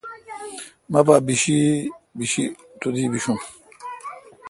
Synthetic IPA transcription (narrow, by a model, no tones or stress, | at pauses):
mapabiɕibiɕi | t̪ud̪ibiʃũ